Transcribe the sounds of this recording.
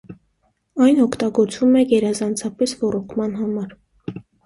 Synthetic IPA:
ɑjnɔkʰt̪ɑɡɔɾt͡svumɛɡɛɾɑzɑnt͡sʰɑpɛsvɔɾɔkʰmɑn̪ɦɑmɑɾ

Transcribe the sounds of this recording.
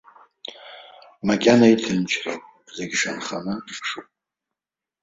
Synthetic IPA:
makʲʼanaitʰɨnt͡ʃʷʰro̰ | zeɡʲʂanχanɨpʰʂupʼ

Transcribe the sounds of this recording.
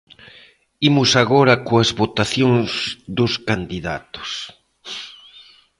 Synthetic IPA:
imʊsaɣoɾakoazβot̪aθjoŋzðoskand̪iða̰t̪o̥s

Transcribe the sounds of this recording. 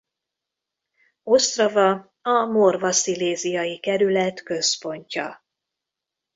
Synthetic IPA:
o̞st̪rɒvɒ | ɒmorvɒsileːzijɒjikɛɾylɛt̪kø̞spo̞ɲcɒ̰

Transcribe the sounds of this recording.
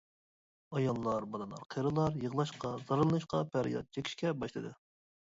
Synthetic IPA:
ɑjɑlˠːɑɾbɑd̪ɨnlˠɑ̰ɾqʰeɾɨlˠɑɾjəʁlˠɑʃqɑzɑɾɨlˠɨnɨʃqɑpʰæɾijɑ̰t̪̚t͡ʃʰekʲʰi̥ʃkʲɛbɑʃlˠɨd̪ɨ

